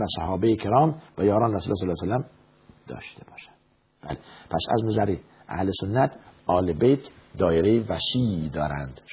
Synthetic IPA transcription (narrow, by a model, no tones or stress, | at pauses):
væsæhɒːbejekʰeɾɒːmvæjɒːɾɒːnɾæsuːles̬ɔːlːsælːæm | d̪̥ɒ̰ːʃt̪ʰebɒːʃæ̥ | b̥æ̰lepʰæ̰sæ̰znæzæɾe | ʔæ̰hlesonːæt̪ʰɒːlebejt̪ʰd̪ɒːjeɾejevæʃiːd̪ɒːɾænd̪̥